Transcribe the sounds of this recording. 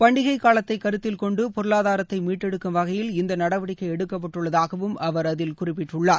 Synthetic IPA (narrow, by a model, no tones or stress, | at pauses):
pɐɳɖɪɣɐɪkːaːlɐt̪ːɐɪkːɐɾɯt̪ːɪlkɔɳɖɯpɔɾɯɭaːðaːɾɐt̪ːɐɪmiːʈːɛɽɯkːɯmʋɐɣɐjɪlɪnd̪ɐnɐɽɐʋɐɽɪkːɐɪɛɽɯkːɐp̬ːɐʈrɯɭːɐðaːɣɐʋɯmɐʋɐɾɐðɪlkʊrɪp̬ːɪʈːʊɭːaːɾ